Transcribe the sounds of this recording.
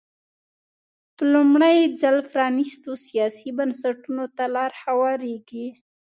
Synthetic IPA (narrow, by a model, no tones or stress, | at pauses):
pəlumɽəjd͡zalfɾɑnist̪osijɑsibansaʈunot̪alɑɾhawɑɾeɡi